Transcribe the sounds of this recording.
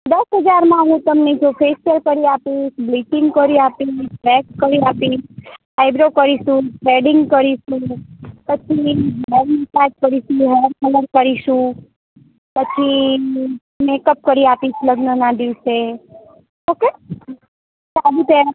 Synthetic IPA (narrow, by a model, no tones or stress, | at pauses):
d̪əsɦəd͡ʒaɾmãɦũt̪əmned͡ʒofʰespeɾkəɾiapiʃblit͡ʃɪ̃ŋɡkəɾiapiʃfɾɛkskəɾiapiʃ | ajbɾokəɾiʃũpeɖɪŋɡkəɾiʃũpət͡ʃʰibɛɾmisad͡ʒkəɾiʃũɦɛɖkʰələɾkəɾiʃũ | pət͡ʃʰi | mekəp̚kəɾiapit͡ʃləɡnənãd̪iʋse | oke | salupe